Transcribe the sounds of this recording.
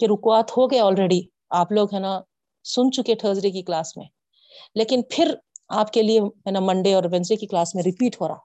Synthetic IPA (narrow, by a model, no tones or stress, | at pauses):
keɾʊkwaːt̪hoɡɐjɔːlɾeːɖi | aːploːɡɦɛːna | sʊnt͡ʃʊkeʈʰəːzɾekiklaːsmḛ̃ | leːkɪnpʰɪɾaːpkelieɦɛːnamɐ̃ɳɖeɔːɾʋɛ̃nd͡ʒɾekiklaːsmẽɾɪpiːʈɦoːɾaː